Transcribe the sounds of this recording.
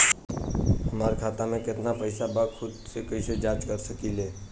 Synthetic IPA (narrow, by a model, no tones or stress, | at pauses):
ɦəmaːɾekʰaːt̪amẽkɪt̪napəɪsabaɡkʰʊd̪sekəised͡ʒaːt͡ʃkəɾsəkileː